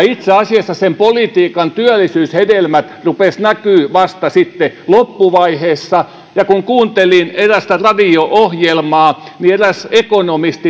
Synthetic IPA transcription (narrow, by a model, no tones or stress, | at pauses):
it̪seɑsiɑsːɑsempolit̪iːkɑnt̪yælːisyːshedelmæt̪rupesnækyːʋɑst̪ɑsit̪ːelopːuʋɑiheːsːɑ | jɑkuŋkuːnt̪elineræst̪ærɑdioʔohjelmɑːnieræsekonomist̪i